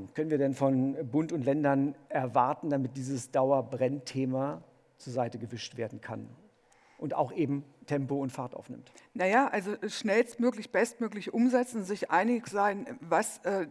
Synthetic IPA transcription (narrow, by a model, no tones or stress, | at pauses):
kʰœnənviːɐdɛnfɔnbʊntʊntlɛndɐnʔɛɐvaɐtn̩damɪt̚d̥iːzəsd̥aʊɐbʁɛntʰeːmaː | t͡suːɐzaɪtəɡəvɪʃtv̥eːɐdn̩kʰa̰n | ʔʊnta̰ʊxʔeːbm̩tʰɛmpoʊntfaɐtʔa̰ʊfnɪ̰mtnajaːʔalzoʃnɛlstmøːklɪçb̥ɛstmøːklɪçʔʊmzɛt͡sn̩zɪçʔaɪnɪçz̥aɪnvasʔɛː